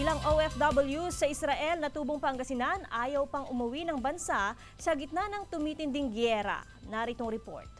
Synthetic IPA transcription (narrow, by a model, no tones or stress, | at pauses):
ʔɪlaŋʔowɛfd̪ɐbɐljusɐʔɪsɾɐʔɛlnɐt̪uːboŋpɐŋɡɐsɪnanʔaːjɐwpɐŋʊmɐwinɐŋbɐnsa | sɐɡɪt̪̚nanɐŋt̪ʊmiːt̪ɪnd̪ɪŋɡjɛɾɐ̰ | nɐɾɪt̪oŋɾɛpo̞̰ɹt̪̚